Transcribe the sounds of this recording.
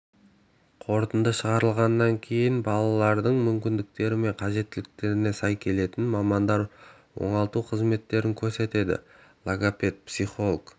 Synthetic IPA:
qʰo̞ɾt̪ənd̪əʃəʁɑɾəlˠʁɑnːɑŋkʲʰe̞jɪnbɑlˠɑlˠɑɾd̪əɴmʏmkʲɪnd̪ɪk̚t̪e̞ɾɪme̞ɴqʰɑʒe̞t̪ːɪlɪk̚t̪e̞ɾɪne̞sɑjkʲʰe̞le̞t̪ɪnmɑmɑnd̪ɑɾ | wo̞̰ɴɑlˠt̪uqʰəzme̞t̪ːe̞ɾɪŋkʲʰɵɾse̞t̪e̞d̪ɪ̰ | lˠaɡapʲe̞t̪̚psiχo̞lˠəɡ

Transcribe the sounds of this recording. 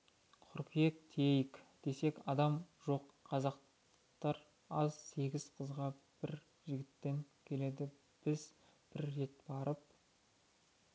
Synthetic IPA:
qʰʊɾqijek̚t̪ʰejɪkd̪̥e̞se̞kɑd̪ɑmʒo̞qʰːɑzɑq | t̪ɑɾ | ɑzse̞ɡʲɪz̥qʰəzʁɑ | b̥ɪɾ | ʒɪɡʲɪt̪ːe̞ŋkʲʰe̞le̞d̪ɪ | b̥ɪz̥b̥ɪɾːe̞t̪̚bɑɾəp̚

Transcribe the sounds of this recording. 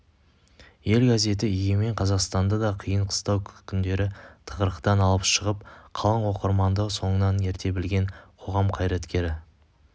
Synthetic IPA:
je̞lɡaze̞t̪ɪʏjeme̞ɴqʰɑzɑqst̪ɑnd̪ɑd̪ɑqʰijəɴqʰə̥st̪ɑwkʲʰʏnd̪e̞ɾɪt̪ʰə̥ʁəɾəqt̪ɑnɑlˠəpʃəʁəp̚qʰɑlˠɑɴwo̞qəɾmɑnd̪əso̞ɴənɑne̞ɾt̪e̞bɪlɡʲe̞ɴqʰo̞ʁɑmqʰɑjɾɑt̪kʲe̞ɾɪ

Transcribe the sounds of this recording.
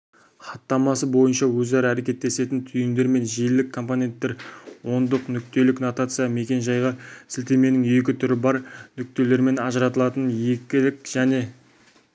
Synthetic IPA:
χɑt̪ːɑmɑs̬əbo̞jənʃɑwɵzæɾəæɾe̞kʲe̞t̪ːe̞se̞t̪ɪnt̪ʰʏjɪnd̪e̞ɾme̞nʒijlːɪkʰːo̞mpo̞nʲe̞nt̪ːe̞ɾwo̞nd̪əqnʏk̚t̪e̞lɪknot̪at̪sɨjame̞kʲe̞nʒɑjʁɑsɪlt̪e̞me̞nɪŋe̞kʲɪt̪ʰʏɾɪbɑɾnʏk̚t̪e̞le̞ɾme̞nɑʒəɾɑt̪əlˠɑt̪ənje̞kʲɪlɪkʒ̥æne̞

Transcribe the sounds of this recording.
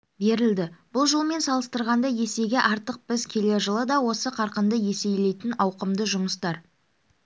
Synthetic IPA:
be̞ɾɪld̪ɪb̥ʊlˠʒolˠme̞nsɑlˠəst̪əɾʁɑnd̪ɑje̞se̞ɡʲeʔɑɾt̪əq̚bɪzkʲʰe̞le̞ʒəlˠəd̪ɑwo̞səqʰɑɾqənd̪əje̞se̞jle̞jt̪ɪnɑwqəmd̪əʒʊməst̪ɑɾ

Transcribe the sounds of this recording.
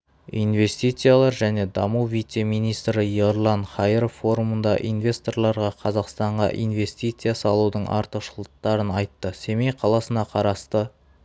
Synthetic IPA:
inve̞st̪ijt̪sɨjalˠɑɾʒæne̞d̪ɑmuwvijt̪se̞mijnijst̪ɾəjeɾlˠɑnχɑjɾofːo̞ɾumənd̪ɑ̰ʔijnvʲe̞st̪o̞rlˠɑɾʁɑqʰɑzɑqst̪ɑɴʁɑ̰ʔḭjnve̞st̪ijt̪sɨjasɑlˠud̪əɴʔɑ̰ɾt̪əqʃʊlˠəq̚t̪ːɑɾənɑjt̪ːəse̞mejqʰɑlˠɑsənɑqʰɑɾɑst̪ə

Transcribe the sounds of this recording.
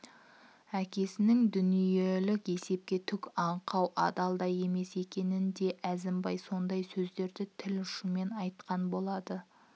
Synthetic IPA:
ækʲʰe̞sɪnɪŋd̪ʏnije̞lɪke̞se̞p̚kʲe̞t̪ʰʏkʲɑɴqʰɑwʔɑ̰d̪ɑlˠd̪ɑje̞me̞se̞kʲe̞nɪnd̪e̞ʔæzɪmbɑjso̞nd̪ɑjsɵzd̪e̞ɾd̪ɪt̪ʰɪlʊʃume̞nɑjt̪qʰɑnbo̞lˠɑd̪ə

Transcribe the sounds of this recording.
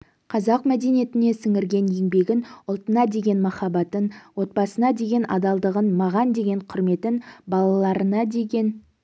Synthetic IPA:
qʰɑzɑqmæd̪e̞nije̞t̪ɪne̞sɪŋɪɾɡʲe̞nje̞ŋbe̞ɡʲɪnʊlˠt̪ənɑd̪e̞ɡʲe̞nmɑχɑbɑt̪ənwo̞t̪̚bɑsənɑd̪e̞ɡʲe̞nʔɑ̰d̪ɑlˠd̪əʁənmɑʁɑnd̪e̞ɡʲe̞ɴqʰʊɾme̞t̪ɪnbɑlˠɑlˠɑɾənɑd̪e̞ɡʲe̞n

